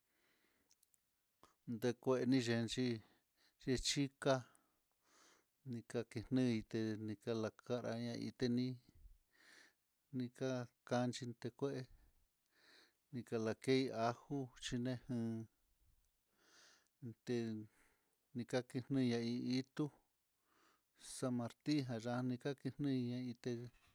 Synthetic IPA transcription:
nd̪e˧kʷe˧ʔe˧nĩ˦˧ʒe˧nt͡ʃi˦ | ʒe˧t͡ʃi˦ka˦ | nĩ˧ka˧ki˧n̥nɨ̃˦i˧t̪e˧nĩ˧ka˧la˧ka˦ɾa̰˧ɲã˧ḭ˧t̪e˧nĩ˦ | nĩ˧ka˦ka˧nt͡ʃi˧nd̪e˧kʷe˦ʔe˧ | nĩ˧ka˧la˨ke˦i˧a˧hu˦t͡ʃi˧nẽ˦hɨ̃ː˧ | t̪e˧ | nĩ˧ka˦ki˧nnɨ̃˦˧ɲã˧i˧i˦t̪u˦ | sa˧mã˧ɾt̪i˦ɦã˧ʒa˧nĩ˧ka˦ki˧n̥nĩ˦˧ɲã˧i˧t̪e˧

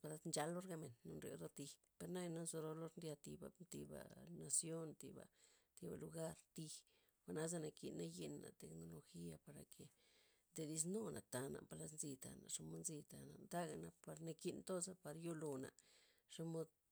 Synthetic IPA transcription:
pa˧la˧˦t̪nd͡ʒa˧lːo˦ɾɡa˧me˨nːo˧nɾjo̰˧ɾo˦t̪i˧ | pe˧ɾna˦jna˦zo˧ɾo˧lo˦ɾnd̪ja˧t̪i˧ba̰˧t̪i˧ba̰˨na˨sjo˦nt̪ḭ˧ba̰˨t̪i˧ba̰˨lu˧ɡa˦ɾt̪i˧x | xʷa˧˨na˦z̬a˦˧na˧kḭ˧nːa˦ji˧nːa̰˨t̪e˨kno˧lo˧xi˦a˧pa˨˧ɾa˨kʰe˨ | nd̪e˧d̪i˧s̬no˦nʔa˨t̪a˧na̰˨pa˧la˧˦t̪nzi˧t̪a̰˧na̰˨ʔʂa˦mo˧˦nzi˧t̪a̰˨na˨nd̪a˦ɡa˧na˧pa˧ɾna˧ki˧nt̪o˦sa˦pa˧ɾjo˦lo˧na̰˨ | ʂa˦mo˦d̪

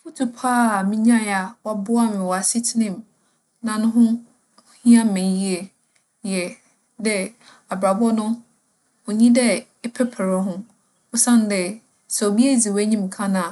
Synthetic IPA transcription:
fu˦tʰu˨pʰaː˦˨mĩ˦ɲã˦˨a˨wɔ˨bʊ˦a˦˨mɪ̃˨wɔ˨a˨si˦tʰɪ˦nɪ̃˦˨m | nã˨nʊ̃˦ɦʊ̃˦ | hĩ˦ã˦m̩˨mɪ̃˨˦ji˦ɛ˨ | jɛ˨ | dɛ˦ | a˨bɾa˨bɔ˦nʊ̃˦ | o˨ɲĩ˦dɛ˦ | ɛ˦pʰɛ˦pʰɛ˨ɾɔ˦ɦʊ̃˦ | ɔ˦sã˦n˦dɛ˨ | sɛ˨o˨bi˦ɛ˦˨d͡zi˨wæ˦ɲĩ˦m˨kʰã˦nã˨

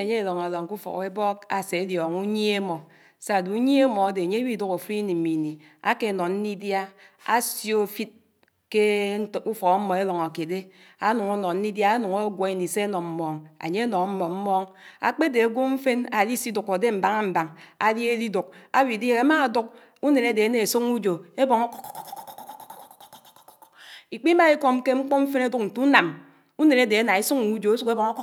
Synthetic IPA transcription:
e˨ɲe˦e˦˨lɔ˨ŋa˨lɔ˨ŋ˨ku˦fɔ̰˨ke˦bɔ˦ka˨se˨˦djɔ˨ŋu˦ɲe˦e˦mɔ˨ | sa˦˨du˨u˦ɲe˦e˦mɔ˨a˦de˨a˨ɲe˦wi˦du˦ko˨fi˦ni˨m̩˨mi˨ni˨ | a̰˦ke˦˨nɔ˨nn̩˦ni˦dja˦ | a̰˦sjo˦˨fi˦t̚ | ke˦˨u˦fɔ˨km̩˦mɔ˨e˦lɔ˨ŋa˨ke˨de˦ | a˦nu˨ŋo˦nɔ˨n̩˦i˦dja˦a˦nu˨ŋo˦ɡʷɔ˨˦i˦ni˨se˦nɔ˨m̩˦mɔ˨ŋa̰˨ɲe˦a˦nɔ˨ŋ˦m̩˦mɔ˨m̩˦mɔ˦ŋa̰˨k͡pe˦de˨a˨ɡʷo˦ɱ̩˦fe˦na˨li˦si˦du˨ko˨de˦m̩˨ba˨ŋa˦m̩˨ba˨ŋa˨li˦e˦di˦du˨k̚a˦wi˨di˦e˦˨ɣe˨˦ma˦a˨du˦k̚ | u˦ne˨ne˦de˨e˦ne˨e˨su˦ku˦d͡ʒo˨e˦bɔ˨ŋ˦ | i˨k͡pi˦ma˦i˦ko˦˨m˦ke˦ŋ͡m̩˦k͡po˦ɱ̩˦fe˦ne˦du˦k̚n̩˨tu˦na˨m | u˦ne˨ne˦de˨e˦na˨e˦su˦ŋ˦u˦d͡ʒo˨e˦su˦ke˦bɔ˨ŋo˦

